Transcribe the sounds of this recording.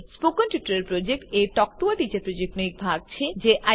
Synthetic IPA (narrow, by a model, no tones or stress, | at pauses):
spokonʈjuʈaɾeɾpɾod͡ʑek̚ʈeʈɔk̚ʈ̪uaʈit͡ɕaɾpɾod͡ʑek̚ʈnoik̚bʱaɡ̚t͡ɕʰed͡ʑeʔa